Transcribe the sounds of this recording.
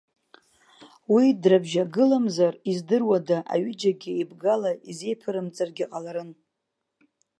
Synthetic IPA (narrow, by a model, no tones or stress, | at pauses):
widrabʒaɡɨlamzarizdɨrwadaʔa̰ɥɪd͡ʒaɡʲɪibɡalaize̞jpʰɨɾɨmt͡sʼarɡʲiqʼalaɾɨn